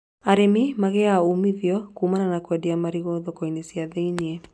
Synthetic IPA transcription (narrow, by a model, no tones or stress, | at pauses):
aɾemimaɣɛaumiðjɔkuːmananakwɛdiamaɾiɣɔːðɔkɔinesiaðeiniɛ